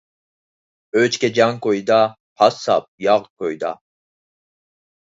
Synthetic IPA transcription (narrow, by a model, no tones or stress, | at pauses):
øt͡ʃkʲɛd͡ʒɑŋkojd̪ɑ | pʰɑsɑ̰p̚jɑʁkʰojd̪ɑ̰